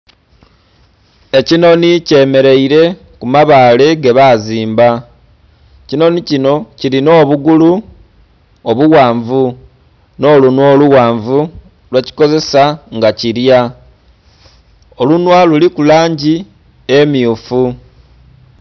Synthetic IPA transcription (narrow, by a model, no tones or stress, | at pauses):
e̞cino̞nice̞ːme̞ɾe̞iɾe̞ | kumaβaːle̞ɡeβaziːmba | cino̞nicino̞ciɾino̞ːβuɡulu | oβuɣaːɱvu | no̞ːlunwoːluɣaːɱvu | lweci̥ko̞ze̞saŋɡaciɾja | o̞lunwalulikulaːɲɟi | e̞mjiufu